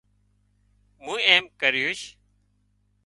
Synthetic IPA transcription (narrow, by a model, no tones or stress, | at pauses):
mũːeːmkəɾjuʃ